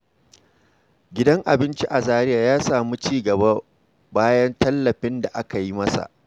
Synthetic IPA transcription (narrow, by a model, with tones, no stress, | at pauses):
ɡʲɪ˦dɐ˦ŋʔa˨bɪ˦nt͡ʃi˦ʔa˨zaː˦ɾɪ˦jaː˨jaː˦saː˨mu˦t͡ʃiː˦ɡɐ˨ba˦ | baː˦jɐ˦ntɐ˦lːɐ˨ɸɪ˦nda˨ʔa˦ka˨ji˦mɐ˦sa̰˨ʔ